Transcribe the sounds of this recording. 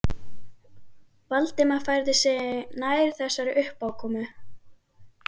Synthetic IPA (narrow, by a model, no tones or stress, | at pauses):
valt̪ɪmafajɾðɪsɛnaːjɾ̥θɛsːaɾɪʔʏhpawkʰɔːmʏ